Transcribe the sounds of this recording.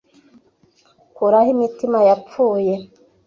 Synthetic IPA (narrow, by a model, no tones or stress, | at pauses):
kuɾahimitimajap͡fuːje̞